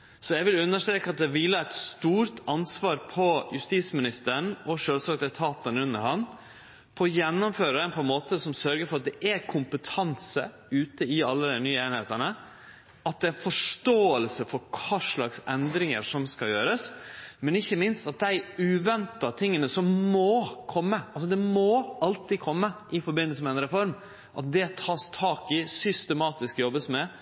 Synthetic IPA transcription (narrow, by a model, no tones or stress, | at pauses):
sɔjæɪʋɪlʉnːəʂt̪ɾeːkɑt̪̚d̪ɛʋɪlːəæɪt̪st̪uːɾt̪ʰɑnsʋɑːɾpʰɔjʉst̪iːsmɪnɪst̪əɾəɳʔɔʂøːlsɑk̚d̪ɛt̪ʰɑːt̪ənəʉnːəɾhɑn | pʰɔːjɛnːʊmføːɾəd̪ɛnpʰɔɛnmoːt̪əsɔmsœɾɡəɾfɔɾɑt̪̚d̪ɛʔækʰʊmpət̪ʰɑnsə̰ | ʉːt̪əɪɑlːəd̪nyːəeːnɪheːt̪ənə | ɑt̪̚d̪ɛːæɪnfɔʂtoːəlsəfɔɾkʰɑːʂɭɑksɛnd̪ɾɪŋə̰ɾʂɔmskɑjøːɾəsmɛnɪçːəmɪnst̪ɑt̪̚d̪æɪʉːʋɛnt̪ɑt̪ʰɪŋːənəsɔmmoːkʰɔmːəʔɑlsɔd̪ɛmoɑlt̪ɪkʰɔmːəʔɪfɔɾbɪnːəls̬əmɛɛnɾɛfɔɾm | ʔɑt̪̚d̪ɛt̪ʰɑːst̪ʰɑːkɪsʏst̪ɛmɑːt̪ɪskjɔbːəsmɛ